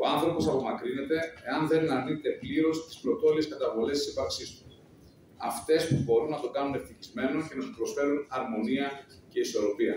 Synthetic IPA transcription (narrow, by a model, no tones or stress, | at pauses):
o̞ɐnθɾo̞po̞sɐpo̞mɐkɾine̞t̪e̞ːɐnðe̞nɐninet̪e̞pliɾo̞st̪i̥splo̞t̪o̞lieskɐt̪ɐvo̞le̞st̪i̥sipɐɾksist̪u̥ | ɐft̪e̞spubo̞ɾunːɐt̪o̞ɡɐnunefθiçizme̞no̞cenɐt̪opɾo̞sfe̞ɾunɐɾmo̞niɐ | ce̞iso̞ɾo̞piɐ